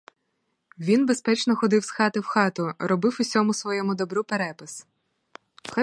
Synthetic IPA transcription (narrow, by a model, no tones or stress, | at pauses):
ʋʲinbespɛt͡ʃnɔxɔd̪ɪwsxɑt̪ɪwxɑt̪ʊɾɔbɪwʊsʲɔmʊsʋɔjɔmʊd̪ɔbɾupeɾɛpɪs | xɛ